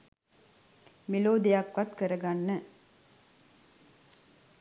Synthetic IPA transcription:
meloːd̪ijakʋɐt̪kɐɾɐɡanːə

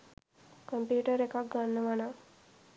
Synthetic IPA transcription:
kompjuːʈəɾekak̚ɡanːəʋana

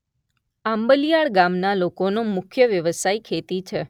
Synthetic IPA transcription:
ãmbəlijaɭɡamnalokonomʊkʰjəʋjəʋəsaikʰet̪it͡ʃʰe

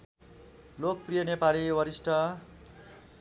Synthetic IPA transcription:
lok̚prijʌnepaliwʌɾisʈʰʌ

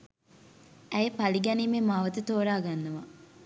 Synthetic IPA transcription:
ɛjepɐliɡɐnimemaːʋɐt̪ət̪oːɾaːɡanːɐʋɐ

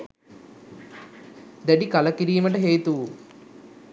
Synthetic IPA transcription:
d̪ɐɖikɐlɐkiɾijɐmɐʈɐɦeːt̪u

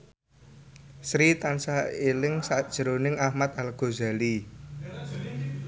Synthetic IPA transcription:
sɾit̪ansaelɪŋsad̥ʒ̥əɾonɪŋahmat̪̚alɡ̥o̤za̤li

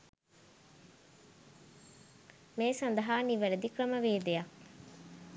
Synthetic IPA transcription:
meːsɐnd̪ɐɦaːniʋɐɾed̪ikɾɐməʋeːd̪eja

